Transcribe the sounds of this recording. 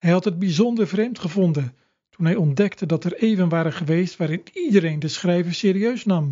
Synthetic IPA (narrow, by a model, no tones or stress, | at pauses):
ɦɛjɦɑtɦəd̚bizɔndəɹvrejmtχəvɔndən | tunɦɛjɔndɛktədɑtɛɹejvənʋaːɾəχəʋejstʋaːɾɪnidəɾejndəsχrɛjvəɹsɪːɾiøɥsnɑm